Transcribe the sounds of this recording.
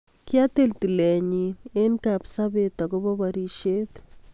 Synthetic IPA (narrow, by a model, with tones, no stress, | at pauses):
kja˦t̪e˦˨lt̪i˨lɛ˨ɲi˨ne˦nka˨psa˦be˨t̪a˨kʊ˦bɔ˦βa˨ɾi˨ʃe˦t̪